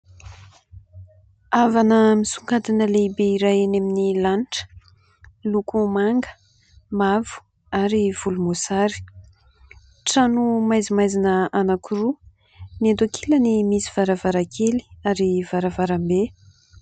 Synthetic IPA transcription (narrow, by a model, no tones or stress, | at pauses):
avanəmisuŋkad̪inəleibeiɾajaneminilanʈ͡ʂə̥ | lukumaŋɡə̥ | mavu̥ | aɾiv̥ulumosaɾi̥ | ʈ͡ʂanumajzimajzinəanakuɾu | nand̪akʰilənimisiv̥aɾavaɾakʰeli̥aɾiv̥aɾavaɾambe